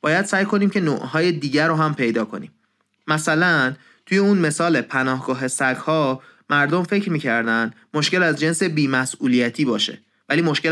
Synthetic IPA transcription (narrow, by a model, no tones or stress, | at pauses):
b̥ɒːjæd̪̥sæːjkʰo̞niːmcʰe̞noʔɦɒːje̞d̪iːɟæɾoɦæmpʰe̞jd̪ɒːkʰo̞̰niːm | mæsælæn | t̪ʰuje̞unme̞sɒːlepʰænɒːhɡ̥ɒːɦe̞sæɡhɒːmæɾd̪omfe̞cʰɾmiːcʰæɾd̪ænd̪mo̞ʃce̞læzd͡ʒe̞nse̞biːmæsuːlijæt̪ʰiːbɒːʃḛ | væliːmo̞ʃcel